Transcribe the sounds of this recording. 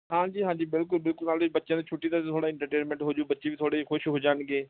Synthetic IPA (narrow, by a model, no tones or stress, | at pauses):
ɦãːɲd͡ʒiːɦãːɲd͡ʒiːbɪlkʊlbɪlkʊlnaːlbətːʃjãt̪iːt͡ʃʰʊʈːiːt̪ãːt̪ʰoːɽaːɪ̃ɳʈəɾʈeːnmɛ̃ːɳʈɦoːd͡ʒoːbətːʃeːʋiːt̪ʰoːɽeːiːkʰʊʃɦoːd͡ʒaːnɡeː